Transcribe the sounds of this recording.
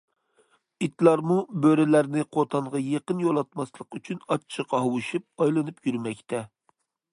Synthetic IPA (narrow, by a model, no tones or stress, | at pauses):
it̪lˠɑɾmubøɾɪlæɾnɪqʰot̪ʰɑɴʁɑjeqənjolˠɑt̪mɑslˠəqyt͡ʃʰynɑt͡ʃt͡ʃʰːəqɑɦowuʃup̚ɑjlˠɨnɨpjyɾmɛkʲt̪ʰɛ